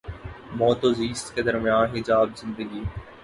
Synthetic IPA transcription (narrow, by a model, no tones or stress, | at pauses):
mɔːt̪oziːst̪ked̪əɾmɪjãːnɦɪd͡ʒaːbzɪ̃nd̪əɡiː